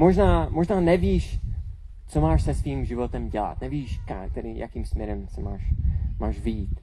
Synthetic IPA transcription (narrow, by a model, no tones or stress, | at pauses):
moʒnaːmo̞ʒnaːnɛviːʃ | t͡somaːʃsɛsviːmʒɪvo̞t̪ɛmɟɛla̰t̪̚nɛviːʃkak̚t̪ɛɾija̰kiːmsmɲɛɾɛmsɛmaːʃmaːʃvɪjiːt̪